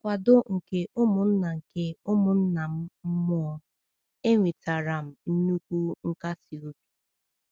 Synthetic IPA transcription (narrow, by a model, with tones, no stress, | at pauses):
kʷa˨dʊ˦ŋ̩˨ke˨ʔʊ˦mʊ˨n̩˦na˨ŋ̩˨ke˦ʊ˦mʊ˨n̩˦na˨m̩˦m̩˦mʊ˦ɔ˦ | e˦ŋʷi˨ta˨ɾa˨m̩˨n̩˦nu˦kʷu˦ŋ̩˦ka˦si˨o˦bi̥˨